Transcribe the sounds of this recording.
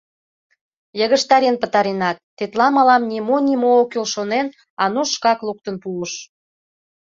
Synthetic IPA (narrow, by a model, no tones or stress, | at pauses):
jəɣə̆ʃt̪ɑɾenpə̆t̪ɑɾenɑt̪ːet̪lɑmɑlɑmnʲimonʲimookylʃonen | ɑnuʃkɑkluk̚t̪ənpuəʃ